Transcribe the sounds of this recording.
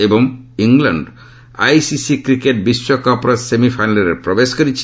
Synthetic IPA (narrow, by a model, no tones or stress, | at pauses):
eboŋiŋlaɳɖ | a̰jsisikɾikeʈ̚biʃːokɔɾpoɾasemifʰajnaleɾeɾpɾobeʃkoɾit͡ɕʰ